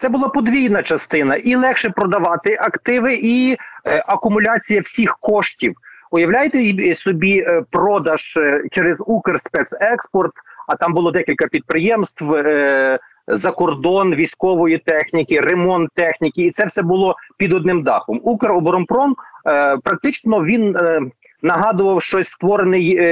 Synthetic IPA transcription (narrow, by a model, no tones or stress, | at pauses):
t̪sɛbʊlˠɑpɔd̪ʋʲijnɐt͡ʃɐst̪ɪnɐʔilˠɛxʃɛpɾɔd̪ɐʋɑt̪ɪʔɐkt̪ɪʋɪʔi | ɐkʊmʊlʲɑt͡sʲijɐwsʲixkɔʃtʲiwʊjɐwlʲajt̪ɛsɔbʲipɾɔd̪ɐʒ̥t͡ʃɛɾezukerspɛt̪sɛkspɔrt̪ɐt̪ɑmbʊlˠɔd̪ɛkʲilʲkɐpʲid̪̚pɾɪjɛmst̪ʋ | zɐkɔrd̪ɔnʋʲijsʲkɔʋɔjit̪ɛxnʲikʲɪremɔnt̪ːɛxnʲikʲɪːt̪sɛwsɛbʊlˠɔpʲid̪ɔd̪nɪmd̪ɑxɔmukeɾɔbɔɾɔmpɾɔmpɾɐk̚t̪ɪt͡ʃnɔʋʲin | nɐɦɑd̪ʊʋɐwʃt͡ʃɔsʲst̪ʋɔɾenɪj